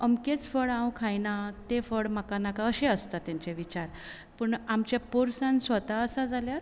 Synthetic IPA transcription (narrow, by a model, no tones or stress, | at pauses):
əmket͡sfəɽãwkʰajnat̪efəɽmakanakaəɕẽəst̪at̪ːjãɲt͡ɕeʋit͡ɕaɾ | pəɳamt͡ɕjapoɾsãnsʋət̪aəsad͡zʱaljaɾ